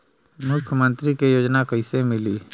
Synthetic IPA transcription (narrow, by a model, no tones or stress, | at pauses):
mʊkʰjəmə̃nt̪ɾikejoːd͡ʒnakəɪsemɪliː